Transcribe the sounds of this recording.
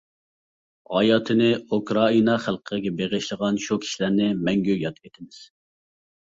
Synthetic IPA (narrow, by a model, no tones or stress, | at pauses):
ʁɑjɑːt̪ʰɨnɪukɾɑinɑχælˠqʰɡʲɛbeʁɪʃlˠəʁɑnʃukʲʰi̥ʃilæɾnɪmɛŋɡʲøjɑt̪ʲet̪ʰɪmɪz̥